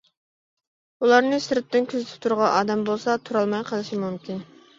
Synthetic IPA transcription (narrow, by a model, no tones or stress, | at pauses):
ulˠɑɾnɨsɪɾɪt̪ːɪnkʲʰøzɪt̪ʰɪ̥p̚t̪ʰuɾʁɑʔɑːd̪ɛmbolˠsɑt̪ʰuɾɑlˠmɑjqʰəlˠɨʃimumkʲin